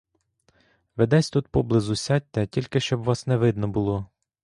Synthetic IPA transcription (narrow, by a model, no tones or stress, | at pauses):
ʋed̪ɛsʲt̪ut̪pɔblˠɪzusʲɑt̚ʲt̪ɛtʲilʲkɪʃt͡ʃɔbʋɑsnɛʋɪd̪nɔbʊlˠɔ